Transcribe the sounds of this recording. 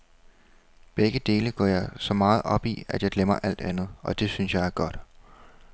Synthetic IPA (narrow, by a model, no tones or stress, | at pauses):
b̥eɡ̥əd̥e̝ːləɡ̥ɒ̰ːjɑ̈ɪsɒ̽mɑ̈ːð̞̩ˠɒ̽b̥iæd̥jɑ̈ɪd̥lemɐʔæl̰d̥ænð̞̩ˠʔɒ̽d̥e̝synsjɑ̈ɪæɐɡ̥ɒ̽d̥